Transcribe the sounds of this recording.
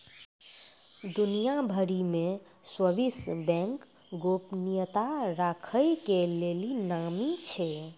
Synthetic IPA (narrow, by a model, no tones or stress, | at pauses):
d̪unijabʱəɽimẽ | swəbisbɛ̃ŋk | ɡopnijət̪aɾakʰəjkelelinamit͡ʃʰe